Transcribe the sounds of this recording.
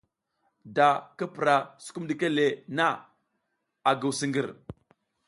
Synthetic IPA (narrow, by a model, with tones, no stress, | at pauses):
da˨ka˦pɾa˨su̥˨˦ku˦mdi˨ke˦le˨na˦ | a˨ɡə˨wsi˦ŋɡə˨ɾ